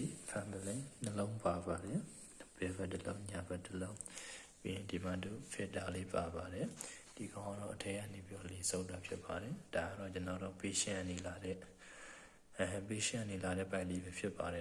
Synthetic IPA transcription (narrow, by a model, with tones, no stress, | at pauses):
i˨pʰã˨nd̪əlɛ̃˦nəlõ˦ʊ̃pa˨ba˨dɛ˨ | b̥ɛ˨bɛ˦ʔtːəlõ˦ʊ̃ɲa˨bɛ˦ʔtːəlõ˦ʊ̃pĩ˦˨di˨ma̰˦˨du˦˨fʰɛ˦˨da˨le˦pa˨ba˨ɾɛ˨d̥i˨ɡã˦ã˦dɔ̰˦˨ʔətʰɛ̃˦jã̰˦˨ne˨pi˦ɾɔ˨lɪ̃˨sʰõ˦ʊ̃nta˨pʰjɪ˦pːa˨ɾɛ˨d̥a˨ɡa˦˨ɾɔ˦˨t͡ɕənɔ˨dɔ˦˨pe˦ʃɪ̃˦ã̰˦˨ne˨la˨ɾɛ˦˨ | pe˦ʃɪ̃˦ã˦˨ne˨la˨ɾɛ̰˦˨pã˦ɪ̃d̪i˦bɛ˨pʰjɪ˦pːa˨ɾɛ˨